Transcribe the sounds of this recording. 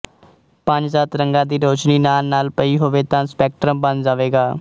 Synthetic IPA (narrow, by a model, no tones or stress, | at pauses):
pəɲd͡ʒzaːt̪ɾəŋɡãːd̪iːɾoːt͡ʃniːnaːlnaːlpəiːɦoːʋeːt̪ãːspɛːk̚ʈɾə̃mbənd͡ʒaːʋeːɡaː